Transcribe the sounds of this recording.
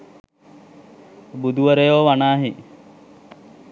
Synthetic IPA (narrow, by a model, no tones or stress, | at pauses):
bud̪uʋɐɾejoːʋanaːɦi